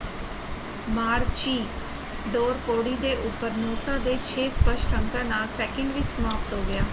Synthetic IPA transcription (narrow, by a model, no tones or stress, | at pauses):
maːɾt͡ʃiː | ɖoːɾpoːɽiːd̪eːʔʊpːəɾnoːsãːd̪eːt͡ʃʰeːspəʃʈɾəŋkãːnaːlsɛːkəɳɖʋiːsəmaːpʈ̪ɦoːɡɪjaː